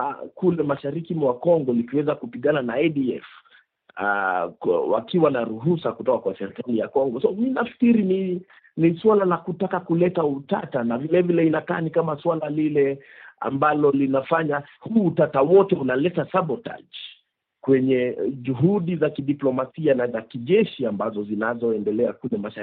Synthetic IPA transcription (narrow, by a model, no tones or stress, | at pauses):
a̰kulɛmaʃaɾikimwakɔŋɡɔlikiwɛzakupiɠananaɛɗiɛ̰f | a | wa̰kiwanaɾuɦusakutɔkakwasɛɾikalijakɔŋɡɔsɔminafi̥kiɾini | niswalalakutakakulɛtautatanavilɛvilɛinakaːnikamaswalalilɛ | a̰mbalɔlinafaɲa | huːtatawɔtɛunalɛtasaɓɔta̰ʄ | kwɛɲɛʄuɦuɗizakiɗiplɔmasianazakiʄɛʃiambazɔzinazɔɛndɛlɛakulɛmaʃa